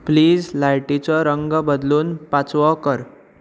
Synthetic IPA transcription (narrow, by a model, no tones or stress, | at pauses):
pliːd͡zlajʈit͡sɔɾəŋɡbəd̪luːnpat͡sʋɔkəɾ